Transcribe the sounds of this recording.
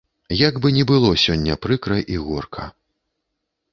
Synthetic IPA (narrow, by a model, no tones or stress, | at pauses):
jaɡbɨnʲɛbɨlˠɔsʲɔnʲːɐpɾɨkɾɐʔiɣɔrkʰɐ